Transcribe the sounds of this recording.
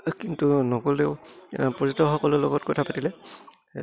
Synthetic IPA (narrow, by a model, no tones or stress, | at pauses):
kintunɔɡɔleʊpɔzɔtɔxɔkɔlʊlɔɡɔtkɔtʰapatilɛ